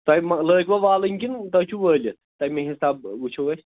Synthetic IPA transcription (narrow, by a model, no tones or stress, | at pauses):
t̪ɐjmɐləːkʋɐʋaːlɨŋʲkʲint̪ɐt͡ʃʰuʋəːlʲɐ | t̪ɐjmeɦisaːb̚ut͡ʃʰuʋɐsʲ